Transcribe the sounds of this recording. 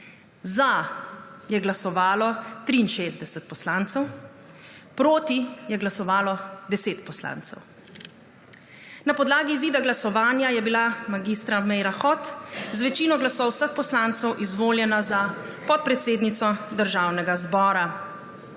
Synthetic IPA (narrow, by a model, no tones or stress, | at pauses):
za | jɛɡlasɔʋaːlɔt̪ɾiːnʃeːzd̪ɛsɛt̪̚pɔslaːnt̪sɛw | pɾoːt̪ijɛɡlasɔʋaːlɔd̪ɛseːt̪pɔsla̰ːnt̪sɛ̰w | napɔd̪laːɡiziːd̪aɡlasɔʋaːnjajɛbilamaɡist̪ɾamɛjɾaxɔt̪zʋɛt͡ʃiːnɔɡlasɔwsəxpɔslant̪sɛwʔizʋoːljɛnaza | pɔt̪̚pɾɛt̪seːd̪nit̪sɔd̪əɾʒaːwnɛɡazbɔːɾa